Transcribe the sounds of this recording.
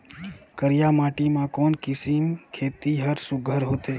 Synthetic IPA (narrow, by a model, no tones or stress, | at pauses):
kəɾɪjamaːʈimãkoːnkɪsimkʰeːt̪iɦəɾsʊɡʱəɾɦoːt̪eː